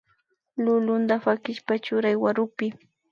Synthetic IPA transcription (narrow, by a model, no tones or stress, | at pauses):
lʊlʊnd̪afakɪʃpat͡ʃʊɾajwaɾʊpɪ